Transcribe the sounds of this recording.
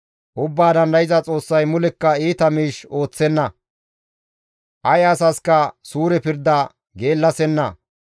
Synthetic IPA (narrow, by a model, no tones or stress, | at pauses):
ʔʊbːaːd̪ɐnd̪ɐjɪzɐt͡sʼo̞ːsːɐjmʊlɛkːɐiːt̪ɐmiːʃo̞ːt͡sːɛnːɐ | ʔɐjɐsɐskɐsuːɾɛpɪɾd̪ːɐ | ɡe̞ːlːɐsɛnːɐ̰